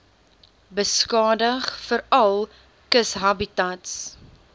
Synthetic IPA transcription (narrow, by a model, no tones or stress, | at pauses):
bəskɑːdəχfəɾɐlˠ | kəsɦɐbitɐts